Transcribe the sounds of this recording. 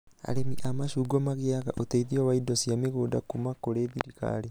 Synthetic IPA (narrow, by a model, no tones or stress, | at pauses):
a̰ɾemiʔamaʃuːɡɔmaɣeaɣa̰ʔotɛiðiɔwaidɔsjameɣoːdakumakoɾeðiɾiɣa̰ɾe